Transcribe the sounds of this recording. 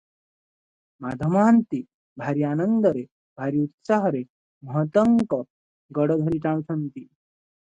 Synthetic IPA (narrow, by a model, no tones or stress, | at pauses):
mad̪ʱəmaːnt̪i | bʱaɾianʌnd̪ʌɾe | bʱaɾiut̪saɦɔɾe | məɦt̪ʌŋkɔ | ɡʌɽʌd̪ʱʌɾiʈãɭ̃t͡ʃʰʌnt̪i